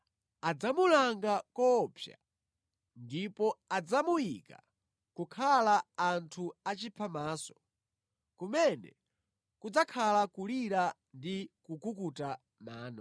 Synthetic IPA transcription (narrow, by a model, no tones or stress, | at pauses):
ad͡zamulaŋɡakɔpʰja̰ | ndipɔad͡zamujika̰ | kukʰalaːntʰuat͡ʃipʰamaːsɔ̥ | kumɛnɛ̰ | kud͡zakʰalakuliɾa | ndikukukuta | maːnɔ